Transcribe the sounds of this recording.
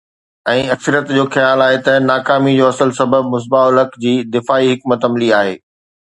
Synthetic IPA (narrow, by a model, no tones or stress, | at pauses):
ɛ̃ːɐksəɾjət̪d͡ʑoːxɐjaːlaːɦet̪ɐnaːkaːmid͡ʑoːɐsəlsɐbəb̚mʊs̬baʊləkd͡ʑiːd̪ɪfaːiɦɪkmɐt̪ɐmliaːɦeː